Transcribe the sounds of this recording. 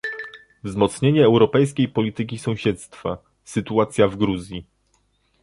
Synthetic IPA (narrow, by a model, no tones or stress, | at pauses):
vzmɔt̪sɲeɲɛːwɾɔpɛjs̬kʲejpɔlʲit̪ɘk̬ʲisɔ̃w̃ɕɛt̪st̪fa | sɘt̪uat̪sʲjavɡɾuzʲji